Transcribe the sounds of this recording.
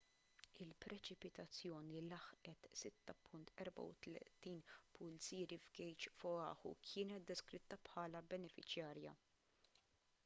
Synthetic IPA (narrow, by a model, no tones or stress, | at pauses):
ɪlpɾɛt͡ʃɪpɪt̪ɐt͡sːjɔːnilɐħʔɛt̪sɪt̪ːɐpʰʊnt̪ɛɾbɐ̰wt̪lɛ̰t̪iːnpʰʊlt͡siːɾivɡɛjt͡ʃfɔɐ̰ːħṵkʰɪːnɛt̪̚d̪ɛskɾɪt̪ːɐpħɐːlɐbɛnɛfɪt͡ʃjɐːɾjɐ̰